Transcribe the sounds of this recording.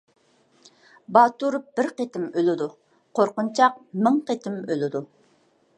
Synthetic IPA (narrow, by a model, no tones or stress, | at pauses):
bɑːt̪uɾp̚b̥ɪɾqet̪ɪmølɪd̪u | qʰoɾqʊnt͡ʃʰɑq̚mɪŋqet̪ʰɪmølɪd̪u